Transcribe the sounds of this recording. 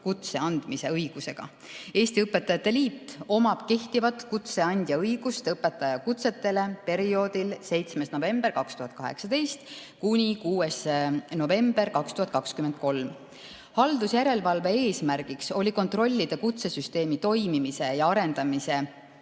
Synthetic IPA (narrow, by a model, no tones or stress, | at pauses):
kut̪se̞ɑnd̪̥mise̞ɤjɡ̥use̞ɡ̥ɑ̰ | e̞ːst̪iɤpːˑe̞t̪ːˑɑjɑt̪ːˑe̞liːt̪ːo̞mɑb̥ke̞ht̪ivɑt̪ːˑkut̪se̞ɑnʲd̪̥ʲjɑɤjɡ̥ust̪eɤpːe̞t̪ːɑjɑkut̪se̞t̪ːˑe̞le̞pe̞ɾio̞ːd̪ilse̞jt̪sme̞sno̞ve̞mb̥e̞rkɑkst̪uɦɑt̪̚ˑkɑɦe̞̰ksɑd̪e̞jst̪kunʲikuːesno̞ve̞mb̥e̞ɾkɑkst̪uhɑt̪̚ːˑkɑkskymend̪̚ko̞lm | hɑld̪̥usjæɾe̞lvɑlve̞eːsmæɾɡ̥ikso̞lʲiko̞nt̪ro̞lʲːid̪̥ekut̪se̞syst̪e̞ːmit̪o̞jmimise̞jɑɑɾe̞nd̪̥ɑmise̞